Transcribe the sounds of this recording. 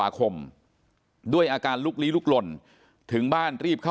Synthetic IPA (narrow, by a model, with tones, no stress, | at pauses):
aː˩˦kʰo˧m | du˥˩əjʔaː˧kaː˧nluː˦˥˩k̚liː˦˥luː˥˩k̚lo˧n | t̪ʰɯ˩˦ŋbaː˥˩nɾiː˥˩p̚kʰa˥˩